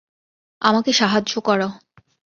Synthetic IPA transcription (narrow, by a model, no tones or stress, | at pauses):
amakeʃaɦad͡ʑokɔɾa